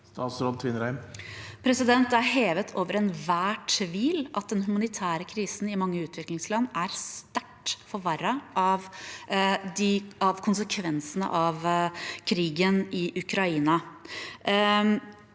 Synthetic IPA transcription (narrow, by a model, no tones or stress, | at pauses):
st̪ɑːt̪sɾoːd̪̚t̪ʰʋɪnɾæɪmpʰɾɛsɪd̪ɛnt̪æɾɦeːʋət̪ʰoːʋəɾɛnʋæːʈʰʋiːlʔɑt̪̚d̪ɛnhʉmɑnɪt̪ʰæːɾəkʰɾiːsn̩ɪmɑŋːəʉːt̪ʋɪklɪŋslɑnːæɾst̪æʈːfɔɾʋɑɾɑʔɑʋ | d̪ɪɑʋkʰʊnsəkʰʋɛnsənə̰ʔɑʋkʰɾiːɡənɪʔʉkʰɾɑiːnɑ